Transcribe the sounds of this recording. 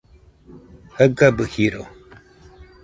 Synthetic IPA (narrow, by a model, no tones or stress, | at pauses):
həɡabɨhiɾo̰